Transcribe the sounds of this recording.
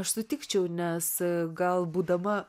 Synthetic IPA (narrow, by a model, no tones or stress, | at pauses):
ɐʃsʊt̪ʲɪkt͡ʃʲɛʊnʲɛsɡɐlˠbuːd̪ɐmɐ